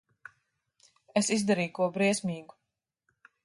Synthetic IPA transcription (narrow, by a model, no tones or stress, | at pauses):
esizd̪aɾiːjkuɔbɾiɛsmiːɡu